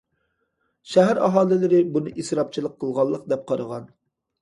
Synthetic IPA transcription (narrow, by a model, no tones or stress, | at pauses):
ʃæɦæɾɑ̰ɦɑːlˠɪlɪɾɪbunɨʔisɾɑp̚t͡ʃʰilˠəqʰːəlˠʁɑlˠːəq̚d̪ɛp̚qʰɑɾəʁɑn